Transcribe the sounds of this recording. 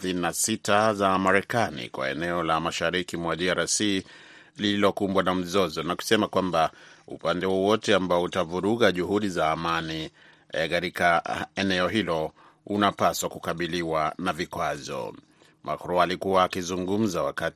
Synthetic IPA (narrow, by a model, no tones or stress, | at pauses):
θininasitazamaɾɛkanḭkwa̰ɛ̰nɛɔlamaʃaɾikimwaɗiaɾasi | lililɔkumbwanam̩zɔzɔnaku̥sɛmakwambaṵpandɛwɔwɔtɛambaɔutavuɾuɣaʄuhuɗizaːmani | kaɾikaɛnɛɔɦilɔ | unapaswakukaɓiliwanavikwazɔ̰ | mʔa̰kɾɔalikuwaːkizuŋɡum̩zawakat